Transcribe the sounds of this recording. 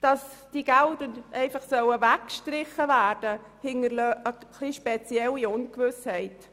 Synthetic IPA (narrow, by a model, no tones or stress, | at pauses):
d̥ɑsd̥iɡ̥ældənʔɛɪfɑχsœwəvækʃtɾɪχəvæːɾd̥ə | hɪŋəɾløəkʰliʃpɛt͡sjɛlːiʊnkʋʏshɛɪt